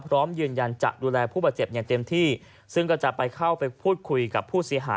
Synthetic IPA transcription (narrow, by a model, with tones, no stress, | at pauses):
pʰɾɔː˦˥mjɯː˧nja˧nt͡ɕa̰˨˩k̚duː˧lɛː˧pʰu˥˩bɔː˨˩t̪̚t͡ɕe˨˩p̚ja˨˩ŋt̪e˧mt̪ʰiː˥˩ | sɯ˥˩ŋkɔː˥˩t͡ɕa˨˩pa˧jkʰa˥˩wpa˧jpʰuː˥˩t̪̚kʰu˧jka˨˩pʰːuː˥˩si˩˦ɐɦa̰ː˨˦